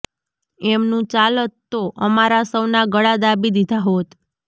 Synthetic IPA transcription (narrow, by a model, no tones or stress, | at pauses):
ɛmnũt͡ʃalət̪ːoʔəmaɾasəwnaɡəɽad̪abid̪id̪ʱaɦot̪